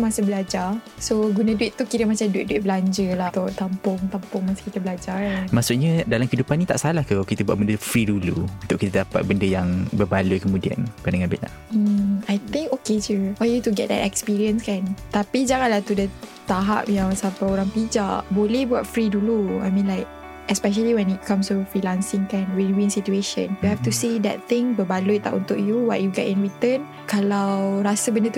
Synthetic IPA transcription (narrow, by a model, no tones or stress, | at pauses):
masəbəlad͡ʒasoɡunãduɪt̪ːukiɾəmat͡ʃamduiʔ̚duit̚bəlaɲd͡ʒəlat̪ʊt̪ampʊŋt̪ampʊŋmasə̥kit̪əbəlad͡ʒamaʔsuʔɲədalamkidupanit̪a̰ʔsalahkəkit̪əbua̰ʔ̚bəndəfɾiduluunt̪ʊʔkit̪aədapa̰t̪̚bəndəjaŋbərbalujkəmũdia̰npadaŋabɪ̰ʔla̰hm̩ajt̪ɪ̃ŋkoket͡ʃufajut̪uɡɛ̰t̚dɛ̰tɛkspiɹiənskant̪apid͡ʒaŋãnlat̪udət̪aɦa̰p̚nãsapaoɾãŋpid͡ʒabolebuat̚fɹidulua̰jmĩnlaɪk̚ | ɛspɛʃ̬əliwɛ̃nit̚kʰãmstufɹilãnsɪ̃ŋkãnwinwĩnsitueʃə̰̃njuhɛft̪usedɛ̰t̪̚t̪ɪ̃ŋbəbaluit̚la̰ʔṵnt̪ʊk̚juwaʔ̚juɡɛtĩnɹit̪ə̃n | kalawɾasabəndət̪u